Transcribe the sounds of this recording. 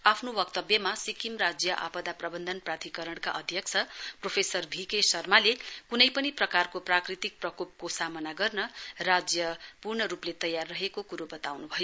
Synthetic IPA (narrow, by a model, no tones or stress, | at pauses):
apʰnobʌkt̪ʌbjʌmasikimrad͡zjʌʔa̰pʌd̪aprʌbʌnd̪ʱʌnprat̪ʰikʌɾʌɽ̃ka̰ʔʌd̪ʱjʌk̚t͡sʰʌpropʰesʌrbʱikesʌrmalekunʌjpʌniprʌkarkoprakrit̪ik̚prʌkop̚kosamʌnaɡʌrnʌrad͡zjʌpurɳʌɾuplet̪ʌjarːʌɦekokuɾobʌt̪awnubʱʌjo